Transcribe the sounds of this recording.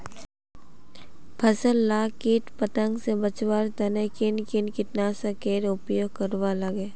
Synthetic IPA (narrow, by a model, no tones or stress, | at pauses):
pʰəsəlːaːkiːʈpət̪ə̃ŋɡsebət͡ʃwaːɾt̪ənekɪnkɪnkɪt̪nasakeːɾʊpjoːɡkəɾʋaləɡeː